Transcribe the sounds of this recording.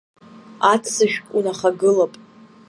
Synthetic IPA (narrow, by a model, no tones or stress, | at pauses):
atʰsɨʃᶣkʷʼunaχaɡɨlapʼ